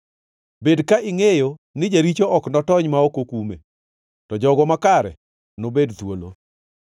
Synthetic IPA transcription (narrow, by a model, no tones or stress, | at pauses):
bedkaʔɪŋejonɪd͡ʒaɾit͡ʃoʔɔknɔtɔɲmaokokume | tɔd͡ʒɔɡɔmakaɾɛ̰ | nobedt̪wolo̰